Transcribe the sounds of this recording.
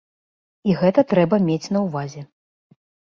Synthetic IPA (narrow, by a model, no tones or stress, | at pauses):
iɣɛt̪ɐt̪ɾɛbɐmʲet͡sʲn̪ɐwvazʲɛ